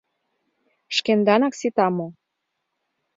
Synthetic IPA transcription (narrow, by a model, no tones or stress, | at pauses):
ʃkend̪ɑnɑksit̪ɑmo